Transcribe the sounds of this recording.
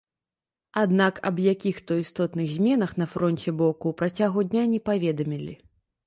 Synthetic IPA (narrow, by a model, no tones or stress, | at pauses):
ad̪nakɐ̰bjakʲixt̪ɔist̪ɔt̪nɨɣzʲmʲɛnɐxn̪ɐfɾɔnʲt͡sʲɛbɔkuːpɾat͡sʲaɣud̪ʲnʲanʲɛpavʲɛd̪ɐmʲilʲi